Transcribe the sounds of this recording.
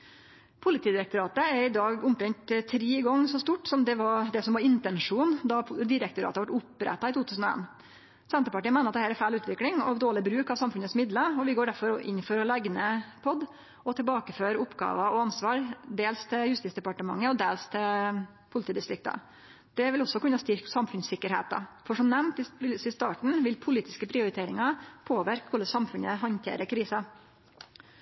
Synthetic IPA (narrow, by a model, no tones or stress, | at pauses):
pʰʊlɪt̪ʰiːd̪ɪɾɛkt̪ʊɾɑːt̪əɛɾɪd̪ɑːɡʊmkɾɛɲt̪t̪ʰɾiːɪɡɔŋːsɔst̪uːʈsɔmd̪ɛʋɑɾd̪ɛsɔmʋɑɾɪnt̪ɛnʂuːnd̪ɑd̪ɪɾɛk̚t̪ʊɾɑ̰ːt̪əʋɑʈʊpːɾɛ̰t̪ːɑɪt̪uːt̪ʰʉːsn̩ɔḛːn | sɛnt̪əpɑʈiːənmæɪnəɑt̪d̪hæːɾɛfæɪɭʉːt̪ʋɪklɪŋɔ̰ʋd̪oːɭɪbɾʉːkɑʋsɑmfʉnətsmɪd̪ləɔʋɪɡoːɖæɾfɔɾɔʔɪ̰nːfɔɾɔlɛɡnəpʰɔd̪ | ɔt̪ʰɛlbɑːkəføːɾʊpːɡɑ̰ːʋɑɔɑnsʋɑːɾd̪eːlst̪ʰɪjʉst̪ɪːsd̪ɛpɑʈəmɑ̰ŋːəɔd̪eːlst̪ʰɪl | pʰʊlɪt̪ʰiːd̪ɪst̪ɾɪk̚t̪ɑ̰ | d̪̥ɛʋɪlɔsːɔkʉnːɑst̪ɪɾksɑmfʉnsɪkːəɾhḛːt̪ɑ̰fɔʂɔmnɛmnt̪ɪɪsɪst̪ɑːʈɳ̩ʋɪlpʰʊliːt̪ɪskəpʰɾɪʊɾɪt̪ʰeːɾɪŋɑpʰoːʋɪɾkkʰʊləsɑmfʉnəɦɔnt̪ʰḛːɾəɾkʰɾiːsɑ